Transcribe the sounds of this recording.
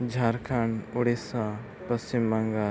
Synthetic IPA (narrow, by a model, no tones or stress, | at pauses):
d͡ʒʱaːɾkʰaɳʊɽesã | pɐst͡ʃimːɐŋɡa